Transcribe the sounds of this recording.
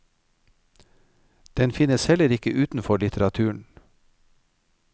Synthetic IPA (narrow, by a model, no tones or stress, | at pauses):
d̪̥ɛnfɪnəshɛləɾɪkəʔʉːt̪n̩fɔɭɪt̪ʰəɾɑt̪ʰʉːɳ̩